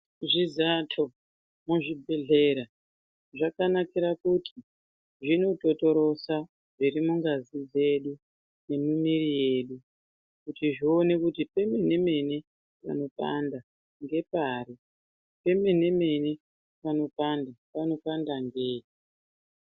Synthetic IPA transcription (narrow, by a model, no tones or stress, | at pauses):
ʐizatʰo̞ | muʐibʱe̞ɮe̞ɾa | ʐakanakiɾakutʰi | ʐino̞to̞to̞ɾo̞sa | ʐirimuŋɡazid͡ze̞ɗu | ne̞nunirije̞ːɗu | kutiʐione̞kutipe̞me̞ne̞me̞ne̞ | pa̰no̞pa̰nda | ŋɡe̞paɾi | pe̞me̞ne̞me̞ne̞ | pano̞pandapano̞pandaŋɡeːi